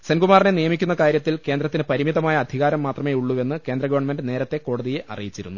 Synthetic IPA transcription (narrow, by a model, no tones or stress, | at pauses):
senɡumaːrinenijɐmikʲːunːɐkaːɾjɐt̪ːilke̞ːnd̪ɾɐt̪ːinɨpɐɾimiðɐmaːjɐːd̪ʱiɣaːɾɐmːaːt̪rɐme̞ːuɭːuʋe̞nːɨke̞ːnd̪rɐɡɐʋɐɳme̞nɖɨne̞ːɾɐt̪ːe̞ko̞ːɽɐðijeʔɐ̰rḭjit͡ɕːiɾṵnːu